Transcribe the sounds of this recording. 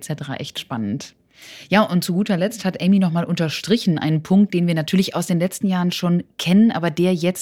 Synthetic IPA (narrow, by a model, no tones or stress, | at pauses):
t͡sɛtəʁa̰ːʔɛ̰çtʃpanənt | jaːʔʊnt̚t͡suɡuːtɐlɛt͡sthatʔɛɪminɔχmaːlʔʊntɐʃtʁ̥ɪçn̩ʔa̰ɪnənpʰʊŋk̚t̚d̥eːnviːɐnatʰyːɐlɪça̰ʊsd̥eːnlɛt͡stn̩jaːʁənʃoːnkʰɛnənʔaːbɐdeːɐjɛt͡s